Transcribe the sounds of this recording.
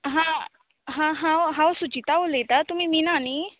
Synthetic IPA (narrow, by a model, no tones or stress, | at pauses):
ɦã | ɦãɦãɦãwsut͡ʃit̪aʋolet̪at̪um̤iminani